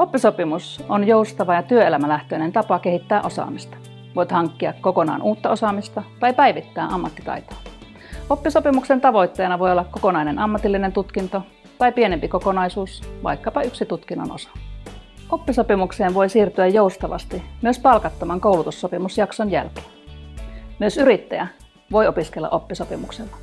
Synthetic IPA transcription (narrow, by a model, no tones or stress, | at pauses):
opːisopimusonjoust̪ɑʋɑjɑt̪yøelæmælæht̪øinent̪ɑpɑkehit̪ːæːʔosɑ̰mist̪ɑ̥ | ʋoit̪hɑŋkːiɑkkokonɑ̰ːnʔuːt̪ːɑosɑmist̪ɑt̪ɑipæiʋit̪ːæːʔɑmːɑt̪ːi̥t̪ɑ̰it̪o̥ | opːisopimuksent̪ɑʋo̞it̪ːeːnɑʋo̞jolːɑkkokonɑinenɑmːɑt̪ilːinent̪ut̪kint̪o | t̪ɑipienempikokonɑisuːsʋɑ̰ikːɑpɑyksit̪ut̪kinːɑ̰no̰sɑ̥ | ʔopːiso̞pimukseːnʋoisiːrt̪yæjjoust̪ɑʋɑ̰st̪imyøspɑlkɑt̪ːomɑŋkoulut̪usːopimusjɑksonjæ̰lke̥ːn | myøsyɾit̪ːæjæ | ʋo̞jopiskelːɑ̰ʔopːisopimukselːɑ̥